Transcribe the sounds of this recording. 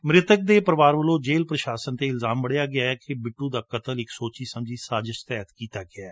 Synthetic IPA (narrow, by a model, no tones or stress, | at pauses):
mɾɪt̪ək̚d̪eːpəɾʋaːɾʋəlõːd͡ʒeːlpɾəʃaːsənt̪eːɪlzaːmbəɽjaːɡɪaːɛːkebɪʈːũːd̪aːkət̪əlɪksoːt͡ʃiːsəmd͡ʒiːsaːzɪʃt̪ɛːɦt̪kiːt̪aːɡɪaɛː